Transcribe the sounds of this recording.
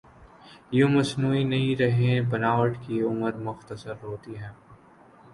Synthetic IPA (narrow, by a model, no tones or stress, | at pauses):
jomɐsnuːinɐiɾɐɦẽbɐnaːʋəʈkiʊməɾmʊxt̪əsəɾɦoːt̪iɦɛ̃ː